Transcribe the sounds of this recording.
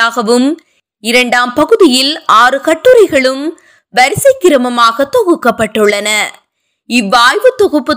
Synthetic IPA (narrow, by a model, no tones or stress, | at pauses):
aːɣɐʋɯm | ɪɾɐɳɖaːmpɐɣɯðɪjɪlaːɾɯkɐʈːɯɾɐɪɣɐɭɯm | ʋɐɾɪsɐɪkːɪɾɐmɐmaːɣɐt̪ːɔɣɯkːɐpːɐʈːɯɭːɐnɐ | ɪʋːaːjʋɯt̪ːɔɣɯpːɯ